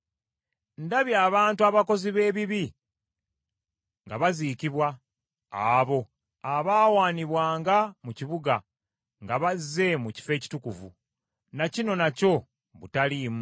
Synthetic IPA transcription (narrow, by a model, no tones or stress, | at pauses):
ndaβjaːβaːntuaβako̞ziβe̞ːβiβi | ŋɡaβazikiβwaː | βo̞ | aβaːwaːniβwaːŋɡamuciβuɡa | ŋɡaβazːe̞muci̥fe̞ːci̥tukuvṵ | nacino̞naco̞ | βutaliːmu